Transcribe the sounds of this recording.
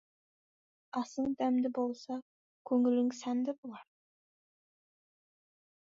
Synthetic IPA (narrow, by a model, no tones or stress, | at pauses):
ɑsəɴd̪æmd̪ɪbo̞lˠsɑ | kʲʰɵŋɪlɪŋsæmd̪ɪbʊlˠɑɾ